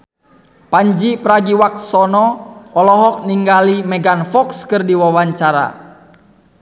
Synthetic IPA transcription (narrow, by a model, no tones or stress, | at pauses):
paɲd͡ʒipəɾaɡiwak̪̚sɔnɔɔlɔɦɔk̚niŋɡalimɛɡanfɔkskɨrdiwawaɲt͡ʃaɾa̰